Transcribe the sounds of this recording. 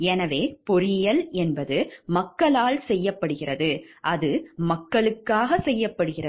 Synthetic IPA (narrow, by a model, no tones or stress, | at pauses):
ɛnɐʋeːpɔɾɪjɐlɛnbɐðɯmɐkːɐɭaːɭsɛjːɐpːɐɽɯɣɪrɐðɯʔɐðɯmɐkːɐɭɯkːaːɣɐsɛjːɐpːɐɽɯɣɪrɐ